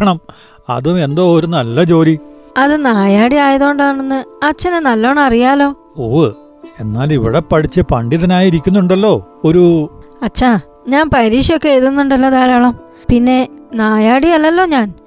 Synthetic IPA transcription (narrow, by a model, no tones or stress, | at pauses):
ɐɳɐm | ɐ̰ðume̞nd̪o̞ːoɾunɐlːɐt͡ɕo̞ːɾi | ɐðɨnaːjaːɽiaːjɐðo̞ːɳɖaːɳenːɨɐt͡ɕːɐnenɐlːo̞ːɳɐɐrijaːlo̞ː | oː | e̞nːaːliʋiɽepɐɽit͡ɕːɨpɐɳɖiðɐnaːjiɾik̬ʲːunːuɳɖɐlːo̞ːoɾuɐt͡ɕːa | ɲaːnpɐɾiːʂjo̞kːeejt̪unːuɳɖɐlːɐðaːɾaːɭɐm | pinːe̞naːjaːɽiɐlːɐlːo̞ːɲaːn